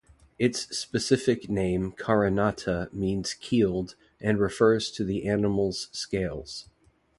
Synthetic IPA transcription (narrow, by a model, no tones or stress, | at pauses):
ɨtspɨsɪfɨknẽɪ̃mkʰɑɹɨnɑɾəmĩnz̥kʰilˠd | ʔɨ̃nɹɨfɜ˞z̥tʰɨðiʔænəml̩ˠz̥skeɪlˠz̥